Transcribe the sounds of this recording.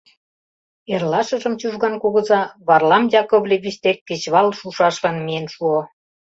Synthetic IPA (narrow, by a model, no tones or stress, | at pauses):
erlɑʃə̆ʒə̆mt͡ɕuʒɣɑnkuɣɤ̆zɑβɑrlɑmjɑkoβlʲeβiɕt̪ekːɘ̆t͡ɕβɑlʃuʃɑʃlɑnmijenʃuo